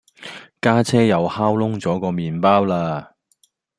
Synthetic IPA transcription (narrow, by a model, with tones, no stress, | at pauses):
kaː˥t͡sʰɛː˥jɐ˨˧whaː˥wlʊ˥ŋt͡sɔː˨˥kɔː˧miː˨npaː˥wlaː˧